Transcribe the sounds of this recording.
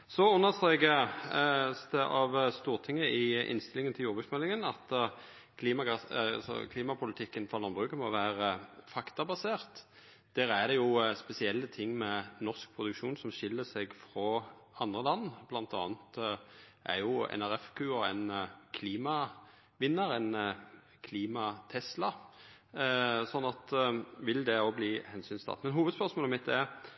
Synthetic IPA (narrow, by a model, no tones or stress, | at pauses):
sɔʉnːəʁst̪ʁeːɡə | sd̪ɛʔɑʋst̪uːʁt̪ʰɪŋːəɪʔɪ̰nst̪ɪlɪŋənt̪ʰɪljuːʁbʉt̪smɛlːɪŋənɑt̪ | kʰliːmɑɡɑsɑ̰lsɔ̰kʰliːmɑpʰʊlɪt̪ʰɪkːənfɑʁlɑnbʁʉːkəmɔʋæːʁəfɑkt̪ɑbɑseːʁt̪ | d̪̥æːɾæd̪ɛjʊspɛsɪɛlːət̪ʰɪŋːmɛnɔʁsk̚pʰʁʊd̪ʉkʃuːnsɔmʃɪlːəsɛɡfɾɔ | ɑnd̪ʁəlɑnːb̥lɑnt̪ɑ̰ːnət̪ | ʔæ̰ɾjʊɛ̰næɾɛfkʰʉːɔɛnkʰliːmɑ | ʋɪnːəɾɛn | kʰliːmɑt̪ʰɛslɑ | sɔnːɑt̪ʋɪld̪ɛobliːhɛnsyːnst̪ʰɑ̰t̪mɛnɦuːʋəd̪spœʁsmoːləmɪt̪ːd̪ɛɾ